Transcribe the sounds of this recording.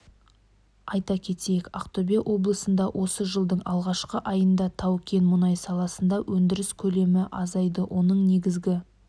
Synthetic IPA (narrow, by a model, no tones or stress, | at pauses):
ɑjt̪ɑkʲʰe̞t̪ejekʲaqt̪obʲeʔo̞blˠəsənd̪ɑwʔo̞səʒəlˠd̪əɴɑlˠʁɑʃqəʔɑjənd̪ɑt̪ʰɑwkʲʰe̞nmʊnɑjsɑlˠɑsənd̪ɑwʔɵnd̪ɪɾɪskʲʰɵle̞mɪʔɑzɑjd̪əwʔo̞nəɴne̞ɡʲɪzɡʲɪ